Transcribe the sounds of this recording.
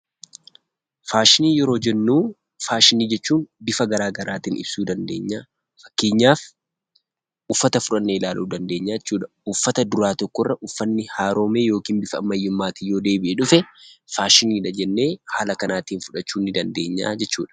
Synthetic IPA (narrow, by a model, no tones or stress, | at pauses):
faːʃɪniːjɛɾo̞ːd͡ʒɛnːuː | faːʃɪniːd͡ʒɛt͡ʃːuːnbɪfɐɡɐɾaːɡɐɾaːt̪iːnʔɪ̰bsuːd̪ɐnd̪e̞ːɲːaː | fɐ̥kːeːɲːaːf | ʊfːɐt̪ɐfʊᶑɐnːeːɪlaːlʔuːd̪ɐnd̪e̞ːɲːaːɛt͡ʃːuːᶑɐ̥ | ʊfːɐt̪ɐd̪ʊɾaːt̪ɔkːɔrːɐʔʊfːɐnːɪhaːɾo̞ːmeːjo̞ːkiːnbɪfɐɐ̰mːɐjːʊmːaːt̪ijoːd̪eːbɪʔɛᶑʊfɛfaːʃɪniːᶑɐd͡ʒɛnːe̞ːhaːlɐkɐnaːt̪iːnfʊᶑɐt͡ʃːuːnːɪd̪ɐnd̪e̞ːɲːa̰ːd͡ʒɛt͡ʃːṵːᶑɐ̥